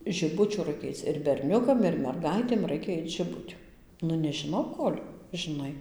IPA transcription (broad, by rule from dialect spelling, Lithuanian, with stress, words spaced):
ʒʲɪˈbʊt͡ʃʲuː ˈrɐɪkʲɛ ˈɐɪt͡s ɪr bʲɛrʲˈnʲʊkɐm ɪr mʲɛrˈɡɐɪtʲeːm ˈrɐɪkʲɛ ˈɐɪt ʒʲɪˈbʊtʲʊ ˈnʊ nʲɛʒʲɪˈnɐʊ ˈkoːlʲ ʒʲɪˈnɐɪ